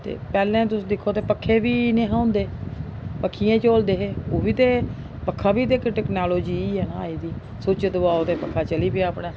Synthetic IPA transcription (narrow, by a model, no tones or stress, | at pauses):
t̪ḛːpɛːlẽːt̪ʊsːd̪ɪkʰːoːt̪eːpəkʰːeːʋiːnẽːɦãːʊnd̪eːpəkʰːijẽːt͡ʃoːld̪eːɦeːoːʋiːt̪eː | pəkʰːaːbiːd̪eːkeʈɛːknaːloːd͡ʒiːiːɦɛːnaaːiːd̪iː | sʊt͡ʃd̪ʊʋaːoːt̪eːpəkʰːaːt͡ʃəliːpɪaːpɽeː